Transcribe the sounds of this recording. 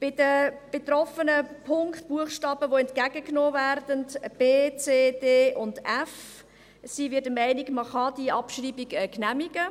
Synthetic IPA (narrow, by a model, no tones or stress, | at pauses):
b̥ɪd̥əb̥et̪rɔfənəpʰʊŋktb̥uəχʃtɑːbəʋoɛntkæɡəknoːvæɾdəntb̥eːt͡seːdeːʔʊndæf | sivɪdəmæɪniɡməχɑdiɑpʃriːbiɡɛknæmiɡə